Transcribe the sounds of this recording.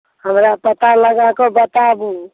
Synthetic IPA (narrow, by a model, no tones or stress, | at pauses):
həmɾapət̪aləɡakɔbət̪abũ